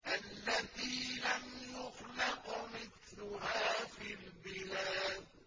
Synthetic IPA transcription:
ʔalːat̪iːlamjʊxlɑqmɪθlʊɦaːfiːlbɪlaːd̪̚

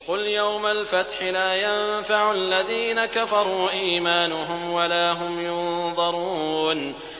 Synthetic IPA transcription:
qʊljawmalfat̪ħɪlaːjamfaʕʊalːaðiːnakafɑɾˤuːʔiːmaːnʊɦʊmwalaːɦʊmjʊnðˤɑɾˤuːn

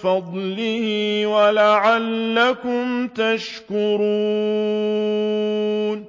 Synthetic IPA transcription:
fɑd̪ˤlɪhɪwalaʕalːakʊmt̪aʃkʊɾuː | n

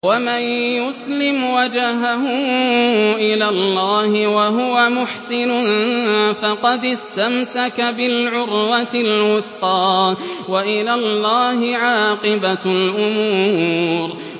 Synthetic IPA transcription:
wamanjʊslɪmwad͡ʒaɦaɦʊ | ʔɪlaːlːaːhɪwaɦʊwamʊħsɪnʊnfɑqɑd̪ɪst̪amsakabɪlʕʊɾwalwʊθqɑːwaʔɪlaːlːaːɦɪʕaːqɨbalʔʊmuːɾ

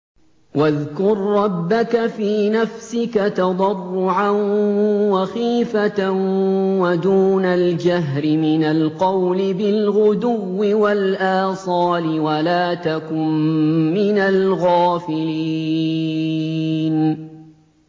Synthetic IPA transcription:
waðkʊɾːɑbːakafiːnafsɪkat̪ɑd̪ˤɑrˤːʊʕanwaxiːfat̪awad̪uːnald͡ʒaɦɾɪmɪnalqɑwlɪbɪlɣʊd̪ʊwːɪwalʔaːsˤɑːlɪwalaːt̪akʊmːɪnalɣaːfɪlii | n

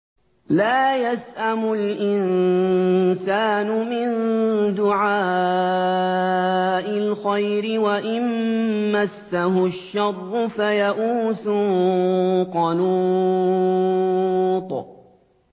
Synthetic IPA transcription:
laːjasʔamʊlʔɪn | saːnʊmɪnd̪ʊʕaː | ʔɪlxajɾɪwaʔɪnmasːaɦʊʃːɑrˤːʊfajaʔuːsʊ | qɑnu | t̪ˤ

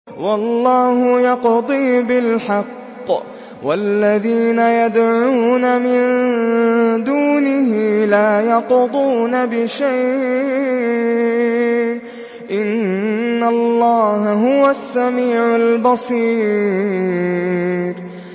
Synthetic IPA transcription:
wɑlˤːɑːhʊjɑqd̪ˤiːbɪlħɑqː | wʔalːaðiːnajad̪ʕuːnamɪn | d̪uːnɪhɪlaːjɑqd̪ˤuːnabɪʃajʔ | ʔɪnːalˤːɑːhaɦʊwasːamiːʕalbɑsˤiː | ɾ

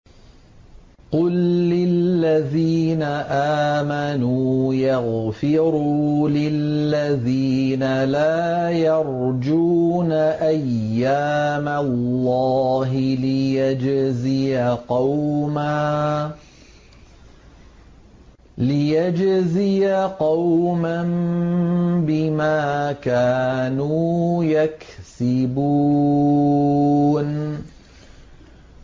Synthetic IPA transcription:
qʊlːɪllːaðiːnaʔaːmanuːjɑɣfɪɾulɪllːaðiː | nalaː | jɑɾˤ | d͡ʒuːnaʔajːaː | malːɑːɦɪlɪjad͡ʒzijaqɑwmaː | lɪjad͡ʒzɪjaqɑwman | bɪmaːkaːnuːjaksɪbuː | n

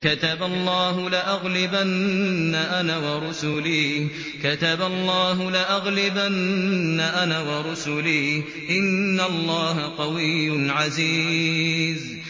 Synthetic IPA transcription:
kat̪abalˤːɑːɦʊlaʔaɣlɪbanːaʔanaːwɑɾˤʊsʊliː | kat̪abalˤːɑːɦʊlaʔaɣlɪbanːaʔanaːwɑɾˤʊsʊliː | ʔɪnːalˤːɑːɦaq̪ɑwɪjːʊʕaziː | z

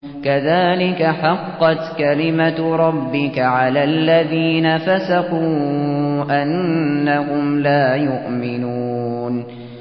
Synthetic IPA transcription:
kaðaːlɪkaħɑqːɑt̪kalɪmaɾˤɑbːɪkaʕalaːlːaðiːnafasaquːʔanːahʊmlaːjʊʔmɪnuːn

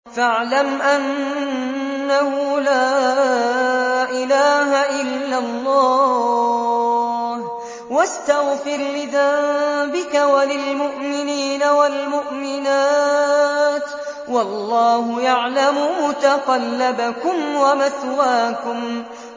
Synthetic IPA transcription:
faʕlamʔan | ahʊlaː | ʔɪlaːhaʔɪlːalːɑː | h | wast̪aɣfɪɾlɪðabɪkawalɪlmʊʔmɪniːnawalmʊʔmɪnaː | t̪ | wɑlˤːɑːhʊjaʕlamʊmʊt̪aqɑlːabakʊmwamaθwaːkʊm

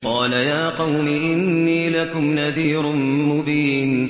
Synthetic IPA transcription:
qɑːlajaːqɑwniʔɪnːiːlakʊmnaðiːɾʊnmʊbiːn

